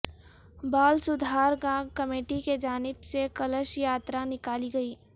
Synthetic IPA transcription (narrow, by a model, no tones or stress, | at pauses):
baːlsʊd̪ʱaːɾɡãːɡkɐmeːʈiked͡ʒaːnɪbsekɐləʃjaːt̪ɾanɪkaːliɡɐiː